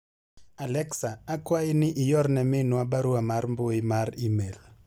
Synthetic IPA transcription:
alɛksaːkwaɪnɪʔɪjɔrnɛmɪnwabaɾuamarmbʊɪmaɾimel

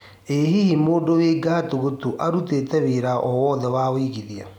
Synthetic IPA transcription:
eɦihimoːdoweɡaːtoɣotoʔaɾutetɛβeɾaʔɔwɔːðɛwaːwiːɣiðia

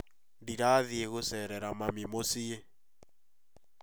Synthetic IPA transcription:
ndiɾaːðieɣosɛɾɛɾamamimosie

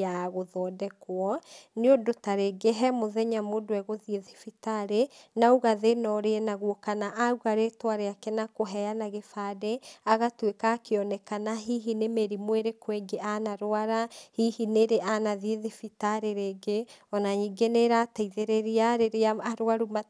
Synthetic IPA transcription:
aɣoðɔːdɛkwɔneodotaɾeɡeɦɛmoðɛɲamodowɛɣoðieðifitaɾenauɣaðenɔɾeɛnaɣwɔkanaʔauɣaɾetwaɾeakɛnakoɦɛanaɣefadeaɣatwekaːkeɔnɛkanaɦiːɦinemeɾimweɾekweŋɡeanaɾoaɾahihineɾeʔanaðieðifitaɾeɾeːɡeɔnaɲiɡeneɾaːtaiðeɾeɾeaɾeɾeaaɾwaɾuma

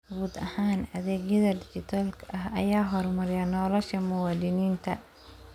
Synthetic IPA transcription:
ɡuːd̪ɐhaːnɐðɛːɡjɐðɐd̪ɪt͡ʃɪt̪ʰɐlkʰʔɐɦɐ̰jaːɦɔrmɐɾɪjanɔːlɐʃɐmʊwaːd̪ɪniːnt̪ʰɐ̰

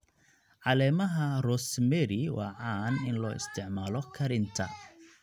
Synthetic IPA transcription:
ʕɑlɛːmɐɦɐrɔsmɛɾɪwɑ̰ːʕɑːnɪnlɔːʔɪ̰st̪ʰɪʕmaːlɔkʰɐɾɪnt̪ʰɐ̰

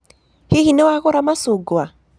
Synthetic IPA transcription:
hiɣinɛwaɣoɾamasuɡwa

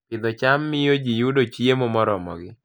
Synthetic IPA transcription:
ɪd̪ɔt͡ʃamːɪjod͡ʒijudot͡ʃjemɔmɔɾɔmɔ̰ɡɪ

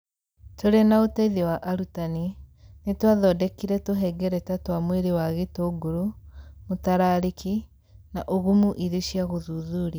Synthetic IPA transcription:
toɾenaotɛiðewaʔaɾutaninetwaðɔːdɛkiɾɛtoɦɛɡɛɾɛtatwamweɾewaɣetoːɡoɾumutaɾaːɾikʰi | naʔoɣumuʔiðeʃjaɣoðuːðuɾia

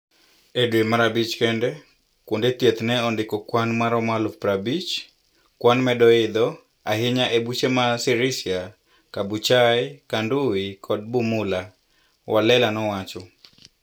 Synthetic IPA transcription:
edwemaɾabit͡ʃkɛndɛ | kwondet̪jet̪nɛɔndɪkɔkwanmaɾɔmalupɾabit͡ʃ | kwanmɛdɔɪd̪ɔ | aɦɪɲaʔebut͡ʃemasɪɾɪsja | kabut͡ʃajkanduwikʰɔd̚bumʊla | wʔalɛlanɔwat͡ʃɔ

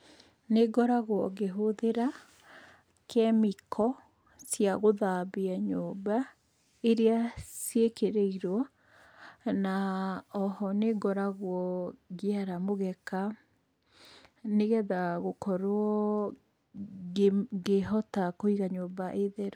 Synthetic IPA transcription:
neɡɔɾaɣowɔɣeɦoðeɾa | kʰɛmikʰɔ | sjaɣoðabeaɲoːba | eɾeasjekeɾeiɾwɔ | naɔhɔneɡɔɾaɣwɔɣeaɾamoɣɛka | neɣɛðaɣokɔɾwɔ | ɡeɦɔtakoiɣaɲoːbaʔeðeɾɔ

